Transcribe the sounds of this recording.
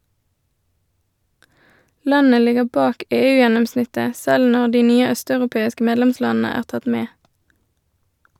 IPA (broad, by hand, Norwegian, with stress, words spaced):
ˈlɑnə ˈlɪɡə ˈbɑːk ˈeːˌʉːjɛnʊmˌsnɪtə ˈsɛl ˈnɔʁ ˈdiː ˈnyːə ˈœstɑʉʁʊˌpeːɪskə ˈmeːdlɛmˌslɑːn̩ə ˈæːʁ ˈtɑt ˈmeː